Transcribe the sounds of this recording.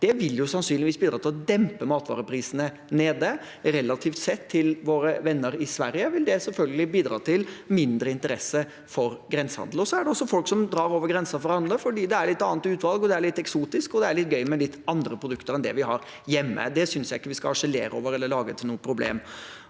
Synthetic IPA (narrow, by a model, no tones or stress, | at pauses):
d̪̥ɛʋɪljʊsɑnsyːnɪʋisbiːd̪ɾɑːt̪ɪlɔd̪ɛmpəmɑːt̪ʋɑ̰ːɾəpʰɾiːsənə | neːd̪ə | ɾɛlːɑt̪ʰiːft̪sɛt̪ʰːɪlʋoːɾəʋɛnːəɾɪsʋæɾjəʋɪld̪ɛsɛlfœlɡəlɪbiːd̪ɾɑ̰ːt̪ʰɪlmɪnd̪ɾəɪnt̪əɾɛsə | fɔɾɡɾɛnsəhɑ̰nd̪l̩ɔsɔæɖɛɔsːɔfɔlksɔmd̪ɾɑːɾoːʋəɾɡɾɛnsɑfɔɾɑnd̪ləfɔɖiːd̪ɛæɭɪt̪ːɑːnt̪ʉːt̪ʋɑlɡɔd̪ɛæɭɪt̪ːɛksuːt̪ɪskɔd̪ɛæɭɪt̪̚ːɡœʏmɛlɪt̪ːɑnd̪ɾəpʰɾʊd̪ʉkt̪əɾɛnd̪ɛ̰ʋɪɦɑɾ | jɛmːə̰d̪ɛsʏnsjæɪɪkːəʋɪskɑɑʂəlḛːɾə̰o̰ːʋəɾɛlːəɭɑːɡət̪ʰɪlnuːəpʰɾʊblḛːm